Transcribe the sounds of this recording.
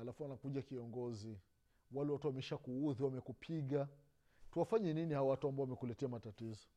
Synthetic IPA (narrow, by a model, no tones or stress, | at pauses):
alafuwanakuʄakiɔŋɡɔzi | walɛwatuwamɛiʃakuuðiwamɛkupʰiɠa | tuwafaɲɛninihaɔwatuambaɔwamɛkulɛtɛamatatizɔ